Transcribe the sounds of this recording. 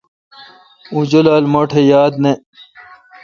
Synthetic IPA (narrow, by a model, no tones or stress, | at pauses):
ũd͡ʑolaːlmoʈʰejaːd̪ne